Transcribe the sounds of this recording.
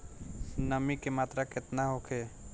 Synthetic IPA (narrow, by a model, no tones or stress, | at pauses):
nəmikemaːt̪ɾakɪt̪naɦokʰeː